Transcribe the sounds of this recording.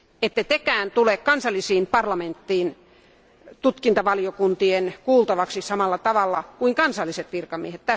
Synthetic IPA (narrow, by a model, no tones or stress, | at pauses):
et̪ːæt̪ekæːnt̪ulekkɑnsɑlːisiːmpɑrlɑment̪ːiːn | t̪ut̪kint̪ɑʋɑlijokunt̪ienkuːlt̪ɑʋɑksisɑmɑlːɑt̪ɑʋɑlːɑkuiŋkɑnsɑlːiset̪ʋirkɑmiehet̪t̪æ